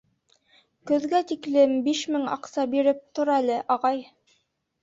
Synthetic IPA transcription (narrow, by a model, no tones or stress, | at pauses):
kɵ̆ðɡæt̪iklɘmbiʃmɘŋɑ̰qsɑbiɾɘp̚t̪ŏɾɑælɘʔɑʁɑj